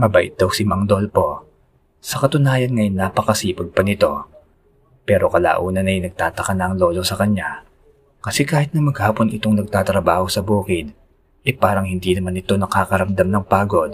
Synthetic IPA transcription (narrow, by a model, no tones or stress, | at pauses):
mɐbaʔɪ̰t̪̚d̪ɐwsɪmɐŋd̪o̞lpo̞ | sɐkɐt̪ʊnaːjɐnŋɐjnːaːpɐkɐsiːpoɡ̪̚pɐnɪt̪o̞ | pɛːɾo̞kɐla̰ːʔuːnɐnɐjnɐɡ̚t̪aːt̪ɐkɐnɐɐŋlo̞ːlo̞sɐkɐɲa | kɐsɛkaːhɪt̪nɐmɐɡhaːpo̞nʔɪ̰t̪o̞ŋnɐɡ̚t̪aːt̪ɾɐbaːho̞sɐbuːkɪd̪ | ʔɛpaːɾɐŋhɪnd̪inɐmanɪt̪o̞nɐkaːkɐɾɐmd̪amnɐŋpaːɡo̞d̪̚